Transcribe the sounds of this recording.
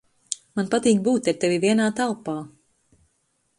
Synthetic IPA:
manpat̪iːkbuːt̪ːɛɾt̪ɛvivʲiɛnaːt̪alˠpaː

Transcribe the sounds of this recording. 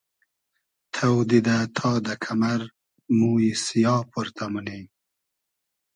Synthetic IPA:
t̪ʰawd̪id̪at̪ʰɑːd̪ɐkʰamaɾ | muːisijɑːpʰuɾt̪ʰamune

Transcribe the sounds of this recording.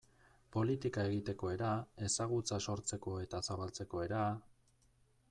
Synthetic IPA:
po̞lit̪ikae̞ɣit̪e̞ko̞e̞ɾae̞saɣ̞ut͡saso̞ɾt͡se̞ko̞e̞t̪asaβalt͡se̞ko̞e̞ɾa

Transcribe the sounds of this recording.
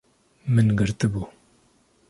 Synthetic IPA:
mɨnɡɨɾt̪ɨbuː

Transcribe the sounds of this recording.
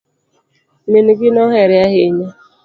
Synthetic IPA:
menuɡɪnɔɦeɾɪaɦɪɲa

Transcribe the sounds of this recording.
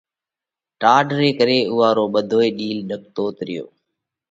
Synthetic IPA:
ʈaːɖɾeːkəɾeːʊɦaːɾoːɓəd̪ʱoːeːɗiːlɗək̚t̪oːt̪ɾɪjo̰ː

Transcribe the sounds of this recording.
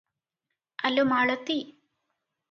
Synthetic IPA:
ɐlːomaːɭot̪ːi

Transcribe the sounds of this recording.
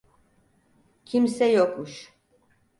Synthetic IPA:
kʰimsɛjɔkʼuʃ

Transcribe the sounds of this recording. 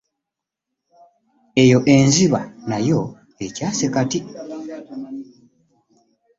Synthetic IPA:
e̞jo̞ʔe̞ɲziβanajo̞ | ecaːsekati

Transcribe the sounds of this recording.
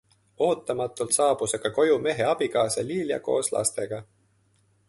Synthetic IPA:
o̞ːt̪ːˑɑmɑt̪ːˑult̪sɑːb̥useɡ̥ɑko̞jume̞ɦe̞ɑb̥iɡɑːsɑliːljɑ̰ko̞̰ːslɑ̰st̪e̞ɡ̥ɑ

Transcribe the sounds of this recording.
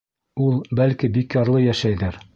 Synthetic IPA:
ulˠbælkibikjɑɾlˠɤjæʃæjðæɾ

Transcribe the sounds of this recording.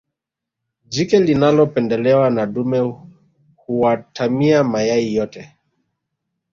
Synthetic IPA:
d͡ʒikɛlinalɔpɛndɛlɛwanaɗumɛ | huwatʰamiamajaijɔtɛ

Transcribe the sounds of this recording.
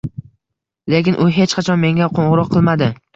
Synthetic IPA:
lekʲɪnʔʊɦe̞t͡ʃqʰɑt͡ʃʰɒnme̞ŋʲaqʰoɴʁɨɾɒqʰːɨlˠmad̪ɪ

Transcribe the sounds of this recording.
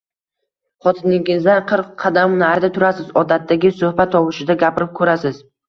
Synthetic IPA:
χɒt̪ʰɪnɪɡʲɪzd̪anqʰɨɾqʰːɑd̪amnaɾɪd̪at̪ʰʊɾasɪzɒd̪at̪ʰːaɡʲɪsɵhbat̪ʰːɒwɪʃɪd̪aɡʲapɪɾɪp̚kʰɵɾasɪz

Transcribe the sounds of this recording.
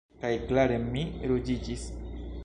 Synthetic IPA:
kajklaɾe̞miɾod͡ʒid͡ʒis

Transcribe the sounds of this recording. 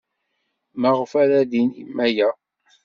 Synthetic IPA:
məʁfæɾæðinḭmːæjæ

